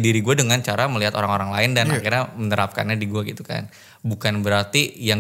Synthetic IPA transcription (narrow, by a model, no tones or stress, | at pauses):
diɾiɡuadəŋant͡ʃaɾaməliɦat̪oɾaŋoɾaŋlaɪndana̰kirɲamənəɾap̚ka̰nɲadiɡuaɡit̪uka̰n | bukanbəɾart̪ijaŋ